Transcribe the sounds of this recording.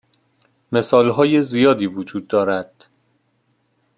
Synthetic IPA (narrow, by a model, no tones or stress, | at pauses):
me̞sɒːlɦɒːjezijɒːd̪iːvod͡ʒuːd̪ːɒːɾæd̪̥